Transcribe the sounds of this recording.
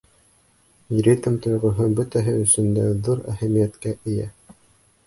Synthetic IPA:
ɾʲit̪mt̪ŏjʁŏɦɤbɵt̪æɦɘɵ̆sɵ̆nd̪æðuɾæ̰hæmijæt̪kæʔɘ̆jæ̰

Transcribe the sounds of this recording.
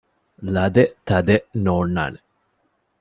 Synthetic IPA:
lɐd̪et̪ɐd̪enoːɳːa̰ːne

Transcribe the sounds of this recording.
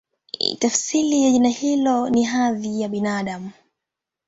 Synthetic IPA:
tafsilijaʄinahilɔniɦaðijaɓinaːɗamu

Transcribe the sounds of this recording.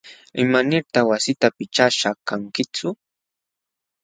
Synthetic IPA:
ɪmanɪɾt̪aχwasɪt̪apɪt͡ʃaʃakaŋkɪt͡sʊ

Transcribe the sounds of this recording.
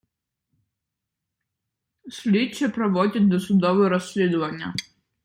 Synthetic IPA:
sʲlʲit͡ʃɛpɾɔʋɔdʲɐt̪̚ʲd̪ɔsʊd̪ɔʋɛɾɔsʲlʲid̪ʊʋɐnʲːɐ̰

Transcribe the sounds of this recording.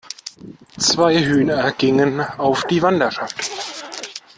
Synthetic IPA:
t͡sv̥aɪɦyːnɐɡ̥ɪŋənaʊfd̥iːvandɐʃaft

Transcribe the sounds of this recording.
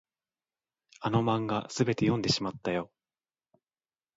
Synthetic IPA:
ano̞mãŋɡasɨbe̞t̪ejõ̞nd̪e̞ɕimat̪ːajo̞

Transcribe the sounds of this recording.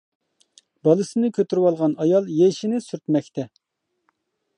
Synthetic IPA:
bɑlˠɨsɨnɨkʲʰøt̪yɾwɑlˠʁɑnɑjɑlˠjeʃinɪsyɾt̪mɛkʲt̪ʰɛ

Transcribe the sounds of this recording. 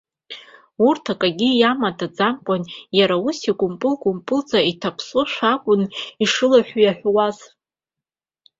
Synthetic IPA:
urtʰakʼaɡʲijamadʰad͡zamkʷʼanjaɾausiɡʷʼʊmpʼʊlɡʷʼʊmpʼʊld͡zʼaitʰapʰsuʃᶣʷakʷʼʊniʂɨlaħʷjaħʷᶣwaz

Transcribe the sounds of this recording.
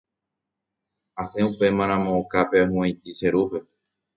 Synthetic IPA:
asẽupe̞mãɾ̃ãmõːkapeaɦũẽjt̪iʃeɾupe

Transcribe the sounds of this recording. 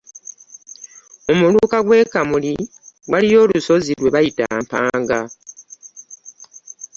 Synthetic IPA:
o̞mulukaɡwe̞ːkamuli | walijo̞ːluso̞zilwe̞βajita̰ːmpa̰ːŋɡa

